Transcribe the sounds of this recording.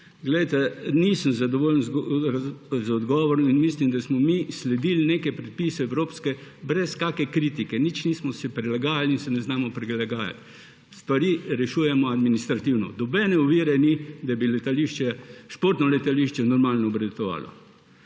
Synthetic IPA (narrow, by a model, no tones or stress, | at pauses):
ɡlɛjt̪ɛnisəmzad̪ɔʋoːljnz | zɔd̪ɡɔʋɔɾɔminmislimd̪asmɔmislɛd̪ilnekɛpɾɛt̪̚piːsɛɛwɾoːpskɛbɾɛskaːkɛkɾiːt̪ikɛnit͡ʃnismɔsɛpɾɛlaɡaːjalinsɛnɛznaːmɔpɾilaɡaːja̰t̪ | st̪ʋaɾiɾɛʃuːjɛmɔad̪minist̪ɾat̪iwnɔ̰d̪ɔbɛnɛuʋiːɾɛnid̪abilɛt̪aliʃt͡ʃɛʃpoːɾt̪nɔlɛt̪aliʃt͡ʃɛnɔɾmaːlnɔːbɾɛd̪ɛt̪ɔʋa̰ːlɔ̰